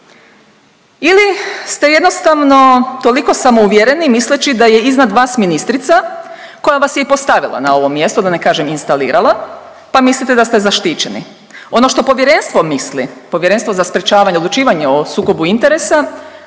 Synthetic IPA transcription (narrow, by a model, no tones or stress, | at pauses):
ilist̪e̞je̞d̪nost̪aʋno̞t̪o̞liko̞samouʋjeɾenimislet͡ɕid̪aje̞iznad̪ʋaːsminist̪ɾit̪sa | ko̞jaʋasjeipo̞st̪aʋḭlˠa̰nao̞ʋo̞mːje̞st̪ud̪anekaːʒeminst̪alḭːɾʔalˠa | pamislit̪ed̪ast̪ezaʃt̪iːt͡ɕenḭ | o̞no̞ʃt̪o̞po̞ʋjeɾe̞nst̪ʋo̞mislipo̞ʋjeɾe̞nst̪ʋo̞zaspɾet͡ʃaːʋaɲeod̪lˠut͡ʃiːʋaɲeosuːko̞buint̪eɾesa